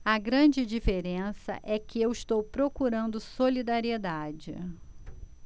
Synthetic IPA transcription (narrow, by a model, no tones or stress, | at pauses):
ɐɡɾɐ̃d͡ʒɪd͡ʒifeɾẽsɐ̰ʔɛkɪewɪst̪owpɾokuɾɐ̃nd̪ʊsolid̪aɾied̪ad͡ʒɪ̰